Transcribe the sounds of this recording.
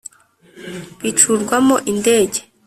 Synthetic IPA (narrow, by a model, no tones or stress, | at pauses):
βit͡ʃuɾɡwamoʔinde̞ːɟe̥